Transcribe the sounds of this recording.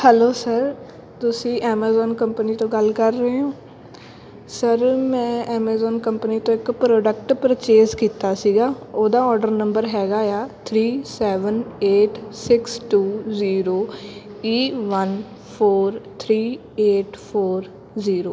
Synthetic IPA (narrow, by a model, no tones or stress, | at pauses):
hɛloːsəɾ | t̪ʊsĩːʔɛːmaːzɔːnkəmpəniːt̪õːɡəlkəɾːəeːɦãː | səɾmɛ̃ːɛːmaːzɔːnkəmpəniːt̪õːɪkpɾɔːɖəkʈpəɾət͡ʃeːzkiːt̪aːsiːɡaːoːd̪aːɔːɾɖəɾnə̃mbəɾɦɛːɡaːjaːt̪ʰɾiːsɛːʋəneːʈsɪksʈuːziːɾoːiːʋən | pʰoːɾt̪ʰɾiː | eːʈpʰoːɾ | ziːɾoː